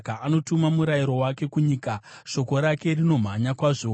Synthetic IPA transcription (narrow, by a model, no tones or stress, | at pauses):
kaʔano̞tumamuɾajiɾo̞wake̞kuɲikaʃo̞ko̞ɾake̞rino̞m̤aɲakwaːʐo